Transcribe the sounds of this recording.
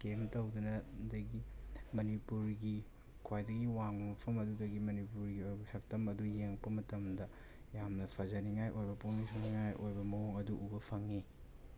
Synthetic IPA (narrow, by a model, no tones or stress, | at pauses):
kemtɐwdunɐdɐɡimɐnipuɾɡi | kʰwajdɐɡiwaŋmɐpʰɐmɐdudɐɡimɐnipuɾɡiojbɐsɐk̚tɐmɐdujeŋpɐmɐtɐmdɐ | jamnɐpʰɐzɐniŋajʔojbɐpuŋnisoniŋajʔojbɐmɐɦoŋɐduʔubɐpʰɐŋi